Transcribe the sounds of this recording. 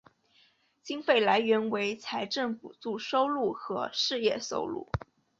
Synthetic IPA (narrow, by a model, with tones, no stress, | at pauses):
t͡ɕi˥ŋfe˥˩ɪla˧˥ɪɥɛ˧˥nwe˧˥ɪt͡sʰa˧˥ɪʈ͡ʂə˥˩npu˨˩t͡su˥˩ʂo˥ʊlu˥˩xɤ˧˥ʂɻ̩˥˧jɛ̰˥˩so̰˥ʊlṵ˥˩